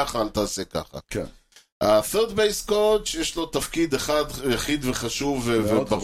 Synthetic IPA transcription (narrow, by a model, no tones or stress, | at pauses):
aχaːlt̪aːseka̰χa̰k | aθeʁd̪bejskot͡ʃjeʃlo̞t̪afkid̪eχad̪jaχid̪veχaʃuvevebaʁ